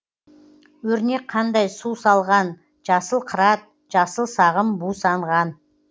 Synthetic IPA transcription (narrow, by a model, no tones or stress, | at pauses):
wɵɾne̞k̚qʰːɑnd̪ɑjsusɑlˠʁɑn | ʒɑsəlˠqʰəɾɑt̪̚ | ʒ̥ɑsəlˠsɑʁəmbusɑɴʁɑn